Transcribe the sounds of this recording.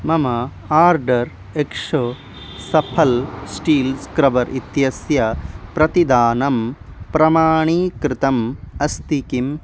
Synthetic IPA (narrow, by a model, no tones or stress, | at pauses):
mɐmɐ | aːɾɖɐɾ | ekʂo | sɐpʰɐlsʈiːlskɾɐʋɐɾʔit̪jɐsjɐpɾɐt̪id̪aːnɐmpɾɐmaːɳiːkɾɪt̪ɐmɐst̪ikim